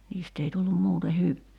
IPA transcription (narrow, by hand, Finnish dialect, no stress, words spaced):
niːst ei tulːum muːte hyʋeː